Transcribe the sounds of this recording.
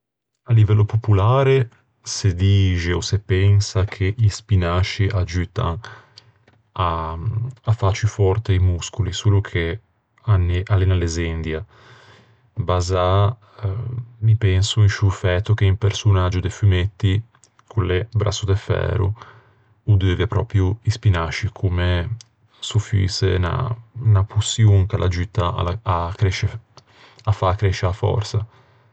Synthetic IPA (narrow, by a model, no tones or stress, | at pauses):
alivɛlːopopulaːɾe | sed̪iːd͡ʒeosepɛŋsakʰeispinat͡ʃːiʔad͡ʒyːt̪a̰ŋ | a | afat͡ʃːifɔɾt̪eimuskulisulukʰe | anːeʔalenalezend̪ja | baza | mipɛnsuinʃufɛt̪ːuk̟eimpeɾsunad͡ʒːud̪efymet̪ːi | kʰullebɾʔa̰sːud̪efɛ̰ːɾṵ | ud̪øvepɾɔ̰ːpɾjuispinaʃikʰume | sufḭsḛna̰napusjuŋkalʔad͡ʒit̪ːa̰aakɾɛʃe | afːakːɾɛʃːeafɔ̰ɾtsa